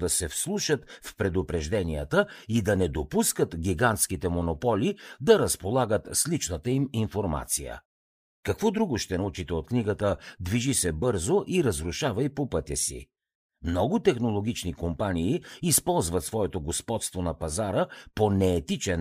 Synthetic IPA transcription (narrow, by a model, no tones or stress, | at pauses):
d̪ɐsɛfslˠuʃət̪fpɾɛd̪ʊpɾɛʒd̪ɛnijət̪əid̪ɐnɛd̪opuskət̪ɡʲiɡant̪sk̟it̪ɛmonopɔlʲid̪ɐɾɐspolˠaɡət̪slit͡ʃnət̪əiminfoɾma̰t̪sijə̰ | kɐkvɔd̪ɾuɡʊʃt̪ɛnɐut͡ʃit̪ɛot̪̚kniɡət̪əd̪viʒisɛbɤɾzoʔiɾəzɾuʃavɐipopɤt̪ʲɛsḭ | mnɔɡʊt̪ɛxnolˠoɡ̟ʲit͡ʃnikompaniːspɔlˠzvɐt̪svɔɛt̪oɡospɔt̪st̪vonɐpɐzaɾəponɛːt̪it͡ʃɛn